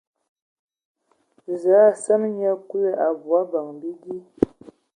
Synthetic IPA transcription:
za˨˦˨sə˦nɲa˦ku˦a˨bwa˦ba˨ŋbi˦ɡi˦

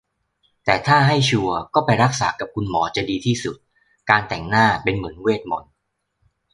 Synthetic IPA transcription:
t̪ɛː˨˩t̪ʰaː˥˩ɦa˥˩jt͡ɕʰu˧ɐkɔː˥˩pa˧jɾa˦˥k̚saː˩˦ka˨˩p̚kʰu˧nmɔː˩˦t͡ɕa˨˩diː˧t̪ʰiː˥˩su˨˩t̪̚ | kaː˧nt̪ɛ˨˩ŋnaː˥˩pe˧nmɯ˩˦ənweː˥˩t̪̚mo˩˦n

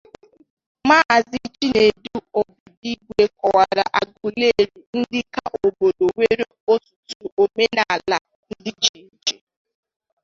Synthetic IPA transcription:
maː˦˨zi˦t͡ʃi˦ne˨du˦o˨bʊ˨di˦ɡʷe˦kɔ˨wa˨ɾa˨ʔa˨ɡu˨le˦˨ɾu˨n̩˦dɪ˦ka˦ʔo˨bo˨do˨we˦ɾe˦o˦tu̥˨tu˨o˨me˦na˨a˨la˨ | n̩˦dɪ˦d͡ʒi˨˦d͡ʒe˨

